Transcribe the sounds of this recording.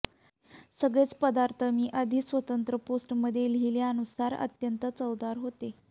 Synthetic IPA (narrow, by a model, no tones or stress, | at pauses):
səɡɭet͡spəd̪aɾt̪ʰəmiːʔəd̪ʱiːsʋət̪ənt̪ɾəposʈməd̪ʱjeliljanusaɾə̰t̪jənt̪ət͡səwd̪aɾɦot̪e